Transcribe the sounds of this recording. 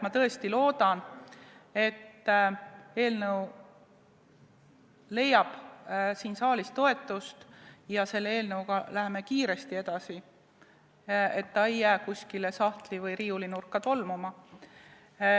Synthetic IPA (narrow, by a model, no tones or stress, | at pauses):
mɑt̪ɤ̞e̞st̪ilo̞ːd̪̥ɑn | e̞t̪ː | e̞ːlnəw | le̞jɑb̥siːnsɑːlist̪o̞e̞t̪ːˑust̪jɑse̞lːee̞ːlnəukɑlæɦeme̞kiːɾe̞st̪ie̞d̪̥ɑsi | e̞t̪ːɑejːæːkusʲkilesɑht̪livɤjɾiːulinurkːˑɑt̪o̞lmumɑ